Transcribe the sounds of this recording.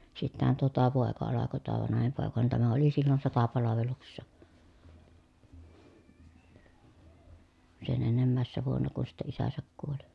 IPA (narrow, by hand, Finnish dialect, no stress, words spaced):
sitːæhæn toɑ tuo poˑekɑ ɑlɑko tuo ʋɑnɑhim poˑekɑ ni tæmæ oli silːon sotɑpɑlɑʋeluksesːɑ sen enːemːæˑesːæ ʋuonːɑ kun̞ sitːɛ isæsæk kuoli